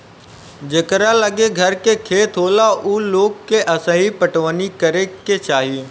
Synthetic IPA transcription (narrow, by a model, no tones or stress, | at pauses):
d͡ʑeːkəɾalɐɠeɡʱɐɾkekʰeːt̪ʰoːlaʔuːloːkkːeʔɐsãːɦipɐʈʋənikɐɾeket͡ʃaːɦi